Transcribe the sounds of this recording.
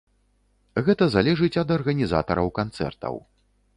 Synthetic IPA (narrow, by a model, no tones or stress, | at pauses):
ɣɛt̪ɐzalʲɛʐɨt͡sʲɐd̪ɐrɣɐnʲiza̰t̪ɐɾɐwkant̪sɛ̰rt̪ɐ̰w